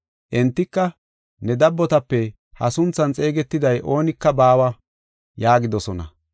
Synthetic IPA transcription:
ʔɛnt̪ːɪkːɐ | nɛd̪ɐbːɔt̪ɐpːɛ | hɐsʊnt͡sːɐnt͡sʼe̞ːɡɛt̪ːɪd̪ɐjʔo̞ːnɪkːɐbaːwɐ | jaːɡɪd̪ɔsɔnɐ̰

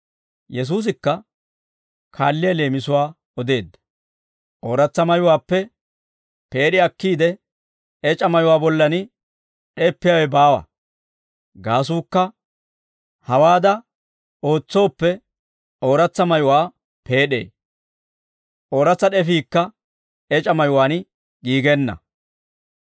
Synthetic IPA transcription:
jɛs̬uːs̬ɪkːɐ | kʰaːlːɪjɐle̞ːmɪsʊwaː | ɔd̪e̞ːd̪ːɐ̥ | ʔo̞ːɾɐt͡sːɐmɐjʊwaːpːɛ | pe̞ːɗɪɐkːiːd̪ɛ | ɛt͡ʃʼːɐmɐjʊwaːbɔlːɐnɪ | ᶑɛːpːɪjɐwɛbaːwɐ̰ | ɡaːs̬uːkːɐ | hɐwaːd̪ɐ | o̞ːt͡sːo̞ːpːɛ | o̞ːɾɐt͡sːɐmɐjʊwaː | pe̞ːɗe̞̰ː | ʔo̞ːɾɐt͡sːɐɗɛfiːkːɐ | ɛt͡ʃʼɐmɐjʊwaːnɪ | ɡiːɡɛnːɐ̰

